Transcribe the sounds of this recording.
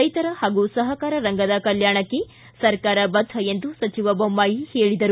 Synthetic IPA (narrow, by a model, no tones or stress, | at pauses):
ɐjt̪ɐɾɐhaːɡusɐɦɐkaːɾɐɾɐŋɡɐd̪ɐkɐljaːɳɐkːe | sɐɾkaːɾɐbɐd̪ʱːɐe̞nd̪usɐt͡ʃiʋɐbɐmːaːjiheːɭid̪ɐɾu